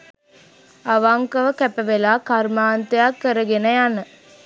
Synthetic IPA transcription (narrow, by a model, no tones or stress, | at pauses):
ɐʋaŋkɐʋəkæpəʋelaːkɐɾmaːnt̪ejakːəɾəɡenɐjanə